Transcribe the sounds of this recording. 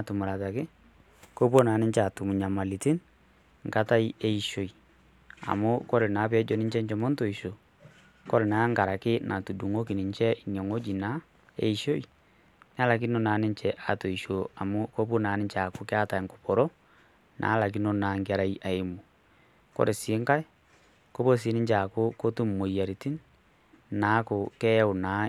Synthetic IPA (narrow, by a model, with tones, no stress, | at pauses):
atu˨mu˨ɾa˨ta˨kɪ˦ | ko˦po˦na˨nɪ˦ɲt͡ʃa˨tu˨mu˨ɲa˨ma˨li˨ti˦n | ŋka˦ta˦i˦e˦i˦ʃo˨i˨ | a̰˨mo˦kɔ˦ɾe˨na˨˦pɛ˦d͡ʒo˨ni˦ɲt͡ʃɛ˦ɲt͡ʃɔ˨mɔ˦nto˨i˨ʃo˨ | kɔ˦ɾe˨na˨˦ŋɡa˨ɾa˨kɪ˦nʔa˨tu˨du˨ŋo˦ki˨ni˨ɲt͡ʃɛ˦i˨n˨ɔ˨ŋo˦d͡ʒi˨na˦ | ḛ˦i˦ʃo˦i˨ | n˦a˦la˨k̬i˦no˦na˨˦ne˦ɲt͡ʃɛ˨ʔa˨to˨i˨ʃo˨a˨mo˦ko˦pu˦na˨˦ni˦ɲt͡ʃa˨ko˨ke˦a˦ta˨ŋko˨pɔ˨ɾɔ˦ | nʔa̰˨˦la˨k̬i˦no˦na˨ŋɡa˨ɾa˦i˦ʔa˨e˦mo˨ | kɔ̰˦ɾe˨se˨˦ŋka˦e˦ | ko˦βo˦s̬e˨˦ni˦ɲt͡ʃa˨ko˦ko˦tu˦m˨mo˨i˨a˨ɾi˨ti˦n | na˨˦ko˨kɛ˦o˨na˨˦